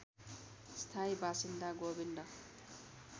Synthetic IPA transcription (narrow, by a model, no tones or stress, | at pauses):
st̪ʰaibasind̪aɡobind̪ʌ